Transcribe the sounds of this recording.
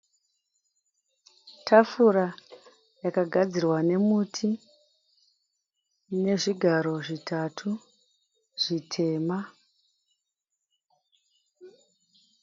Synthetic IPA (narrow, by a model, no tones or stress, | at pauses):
tʰafuɾa | jakaɡʱad͡zirwane̞mutʰi | ne̞ʐiɡʱaɾo̞ʐitʰatʰu | ʐ̥itʰe̞ːma